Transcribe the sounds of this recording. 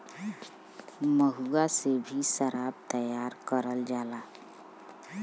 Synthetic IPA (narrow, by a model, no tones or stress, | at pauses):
məɦuɡasebʱiʃəɾaːbt̪əjaːɾkəɾəld͡ʒaːlaː